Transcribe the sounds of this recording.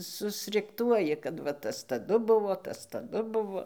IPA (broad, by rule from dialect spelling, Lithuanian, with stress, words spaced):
sʊsʲrʲɪkˈtuɔjɪ kɐt ˈʋɐ ˈtɐs tɐˈdʊ ˈbʊʋoː ˈtɐs tɐˈdʊ ˈbʊʋoː